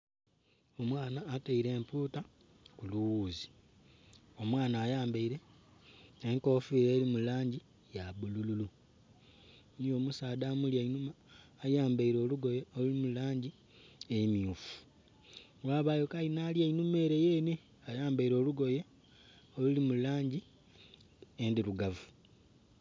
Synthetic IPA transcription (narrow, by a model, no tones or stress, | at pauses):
o̞mwaːnaːteiɾe̞ːmpuːta | kuluwuːzi̥ | o̞mwaːnaːjaːmbaiɾe̞ː | ŋko̞ːfiːɾeːɾimulaːɲɟi | jaβulululu | nijo̞ːmusaːdaːmulainumaːjaːmbaiɾo̞ːluɡo̞jeolulimulaːɲɟi | emiufu̥ | waːβajo̞kainaːljainume̞ːɾe̞jeːne | ajaːmbaiɾo̞ːluɡo̞je | olulimulaːɲɟi | endiɾuɡavu̥